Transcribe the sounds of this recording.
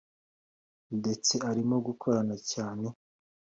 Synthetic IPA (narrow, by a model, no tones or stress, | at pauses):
de̞t͡se̞aɾimoɡukʰo̞ɾanacaːne̞